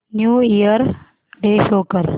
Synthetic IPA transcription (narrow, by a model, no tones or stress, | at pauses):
njuːijəɾ | ɖeːʃoːkəɾ